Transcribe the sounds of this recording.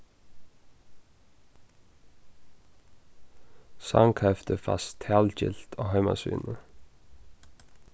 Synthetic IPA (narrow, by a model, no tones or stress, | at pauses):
sɑŋkʰɛft̪əfɑst̪ʰæːlc͡çɪ̰lt̪ʰoːhœʏmɑ̰sʋy̰ːnə